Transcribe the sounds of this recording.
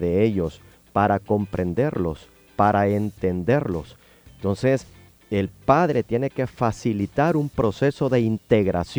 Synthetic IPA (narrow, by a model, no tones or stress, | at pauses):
ðeeʎo̞s | paɾako̞mpɾe̞nd̪e̞ɾlo̞̰s | paɾʔae̞nt̪e̞nd̪e̞ɾlo̞s | ent̪o̞nse̞s | elpaðɾet̪je̞ne̞ke̞fasilit̪aɾumpɾo̞se̞so̞ðe̞int̪e̞ɣɾa̰sj